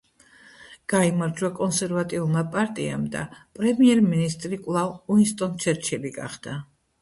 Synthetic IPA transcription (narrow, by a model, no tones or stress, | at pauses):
ɡ̥aimaɾd͡ʒwakʼɔnsɛɾvat̪ʼiulˠmapʼaɾt̪ʼia̰md̪a̰pʼɾɛmiɛɾminist̪ʼɾikʼwlˠavuinst̪ʼɔnt͡ʃʰɛɾt͡ʃʰɛliɡa̰χd̪̥a